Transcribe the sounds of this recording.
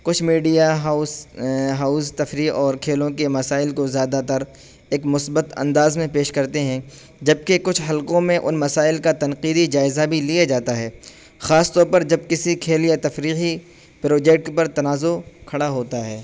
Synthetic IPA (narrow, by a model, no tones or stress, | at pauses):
kʊt͡ʃʰmiːɖijaɦaʊsɦaːʊst̪ɐfɾiɔːɾkʰeːlõkemɐsaːɪlkozjaːd̪at̪ɐɾ | eːkmʊsbət̪ɐ̰̃nd̪aːzmẽpeːʃkɐɾt̪eɦɛ̃ | d͡ʒɐb̚kekʊt͡ʃʰɦɐlqõmẽʔʊnmɐsaːɪlkat̪ɐnqiːd̪id͡ʒaːɪzabʱilijad͡ʒaːt̪aɦɛː | xaːst̪ɔːɾpɐɾd͡ʒɐb̚kɪsikʰeːlijat̪ɐfɾiːɦi | pɾoːd͡ʒɛːkʈpɐɾt̪ɐnaːzokʰɐɽaɦoːt̪aɦɛː